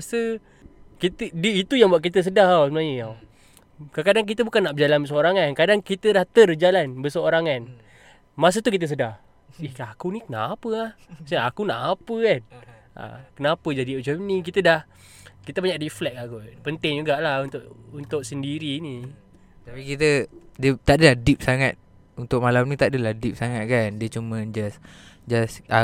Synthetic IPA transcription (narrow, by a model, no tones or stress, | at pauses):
asə | kit̪ədiit̪ujaŋbuaʔk̬it̪əs̬ədaɦasəmənaɲəa | kakadaŋk̬it̪əbukanːaʔbəd͡ʒalanbəs̬əoɾaŋankadaŋkit̪ədaht̪ərd͡ʒalanbəsəoɾaŋan | mas̬ət̪ukit̪̬əs̬ədah | ihakunikənapəlahsəakunaʔapəkan | ʔa̰kənapəd͡ʒadiod͡ʒənik̬it̪ədah | kit̪əbaɲaʔriflɛk̚akupənt̪ɪŋd͡ʒuɡaʔlaunt̪ʊʔunt̪ʊʔsəndiɾini | t̪apikit̪ədiət̪aʔdəlahdip̚saŋat̪̚ | unt̪ʊk̚malamnit̪aʔdəlahdip̚saŋat̪̚kandiət͡ʃuməd͡ʒasd͡ʒasa